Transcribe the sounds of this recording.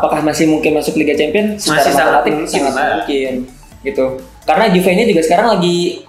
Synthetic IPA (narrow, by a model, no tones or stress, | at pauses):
apakahmasɪhmuŋkɪnmasʊkliɡat͡ʃɛmpiɔnsəd͡ʒaɾamaat̪ɪŋsaŋamuŋkɪn | ɡit̪u | kaɾənad͡ʒufainid͡ʒuɡasə̥kaɾaŋlaɡi